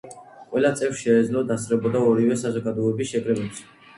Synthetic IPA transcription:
qʼwɛlat̪sʼɛvfsʃɛːd̪zlɔd̪asʼɾɛbɔd̪aɔɾivɛsazɔɡad̪ɔɛbisʃɛkʼɾɛbɛps

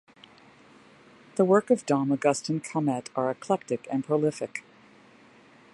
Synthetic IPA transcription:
ðəwɜ˞kʌvdɑ̃məɡʌstɨ̃nkʰəmɛɾə˞ɨkʰl̥ɛk̚tɨkɨ̃npʰɹ̥olɪfɨk

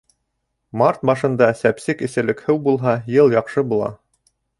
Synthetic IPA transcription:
mɑɾt̪̚mɑʃɤ̆nd̪ɑsæpsɘkɘ̆sæ̆lɘ̆khɘwbulˠɦɑjɤlˠjɑqʃɤbulˠɑ̰

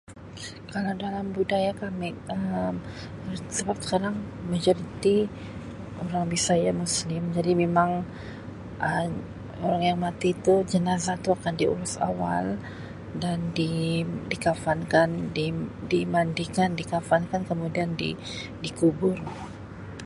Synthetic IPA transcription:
kalawdalambudajakamɪəm | səbap̚sə̥kaɾaŋmad͡ʒoɾit̪i | ʔoɾaŋbisajamuslɪmd͡ʒadimemaŋ | ʔə | oɾaŋjaŋmat̪it̪ud͡ʒənazat̪uakandiṵɾʊsa̰wa̰l | dandidikafankandidimandikandikafankankəmudiandḭ | dikubʊr

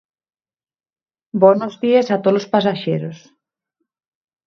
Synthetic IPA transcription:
bonozðiesat̪olospasaʃeɾos

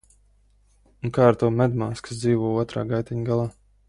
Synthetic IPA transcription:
unkaːaɾt̪uɔmɛd̪maːskḁs̬d̪ziːvuɔuɔt̪ɾa̰ːɡajt̪ʲɛɲɡalˠɑː

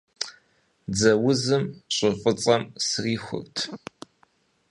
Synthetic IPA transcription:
d͡zɐwʊzɨmɕʼɪfʼət͡sʼɐmsriːxʷʊ̰rtʰ

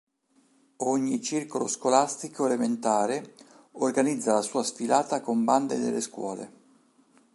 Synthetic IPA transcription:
oɲːit͡ʃirkoloskolast̪ikoelement̪aːɾe | orɡanid̪zːalasuːasfilaːt̪akomband̪ed̪ḛlːeskwɔ̰ːlḛ

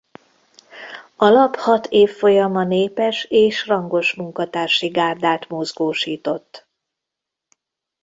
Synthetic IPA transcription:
ɒlɒphɒt̪ʰeːfːo̞jɒmɒneːpɛʃeːʃrɒŋɡo̞ʃmuŋkɒt̪aːrʃiɡaːrd̪aːt̪mozɡoːʃiːt̪o̞t̪ː

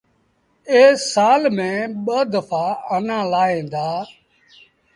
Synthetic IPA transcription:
eːsaːlmẽːɓəd̪əfʰaːənãːlaːẽːnd̪aː

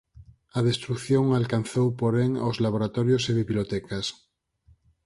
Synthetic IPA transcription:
að̞est̪ɾukθjõŋalkan̟θowpoɾeŋozlaβ̞oɾat̪oɾjoseβiβilot̪ɛkas

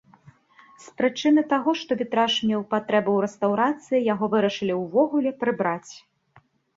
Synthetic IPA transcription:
spɾɨt͡ʂɨnɨt̪aɣɔʂt̪ɔvʲit̪ɾaʂmʲɛwpat̪ɾɛbɐwɾɛst̪ɐwɾat̪sɨjijaɣɔvɨɾɐʂɨlʲiwvɔɣulʲɛpɾɨbɾat͡sʲ

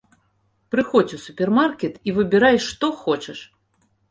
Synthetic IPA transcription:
pɾɨxɔt͡sʲusupʲɛrmarkʲɛt̪ivɨbʲɛɾajʂt̪ɔxɔt͡ʂɛʂ

